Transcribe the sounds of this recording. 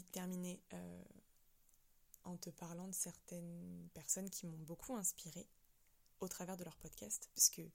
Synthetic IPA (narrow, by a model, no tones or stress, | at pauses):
it̪ɛʁmineø̰ | ɑ̃t̪əpaʁlɑ̃d̪əsɛʁt̪ɛnpɛʁsɔnkʲimɔ̃bokʰuɛ̃spiʁe | ot̪χavɛʁd̪əlœʁpɔd̪kʲast̪paʁskə